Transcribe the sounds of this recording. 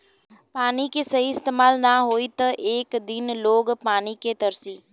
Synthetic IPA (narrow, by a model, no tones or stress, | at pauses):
paːnikesɐɦiɪst̪eːmaːlnaɦoːit̪əʔeːkd̪ɪnloːɡpaːniket̪əɾsiː